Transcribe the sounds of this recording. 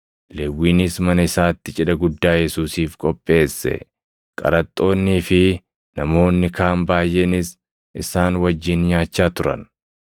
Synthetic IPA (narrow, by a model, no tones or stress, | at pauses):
lɛwːiːnɪsmɐnɐɪsaːt̪ːɪt͡ʃʼɪᶑɐɡʊd̪ːaːjɛsuːsiːfkʼɔpʼːe̞ːsːɛ̰ | kʼɐ̰ɾɐt̪ʼːo̞ːnːiːfɪ | nɐmo̞ːnːɪkaːmbaːjʔeːnɪs | ʔɪsaːnwɐd͡ʒːɪnɲaːt͡ʃːaːt̪ʊɾɐ̰n